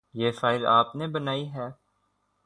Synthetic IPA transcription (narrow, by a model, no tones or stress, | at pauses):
jeːfaːɪɾa̰ːpnebənaːiɦɛː